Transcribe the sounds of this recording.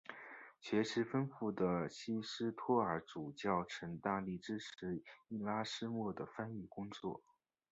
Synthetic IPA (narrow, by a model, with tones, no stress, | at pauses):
t͡ɕʰɥɛ˧˥ʂɻ̩˧˥fə˥nfu˥˩d̪ə˩ɕi˥ʂɻ̩˥t̪ʰwɔ˥ə˞˧˥ʈ͡ʂu˨˩t͡ɕjɑ˥˩ʊʈ͡ʂʰɤ˧˥ŋt̪a˥˧li˥˩ʈ͡ʂɻ̩˥ʈ͡ʂʰɻ̩˧˥i˥˩la˥ʂɻ̩˥mwɔ˥˩d̪ə˩fa˥ny˥˩kʊ˥ŋt͡swɔ̰˥˩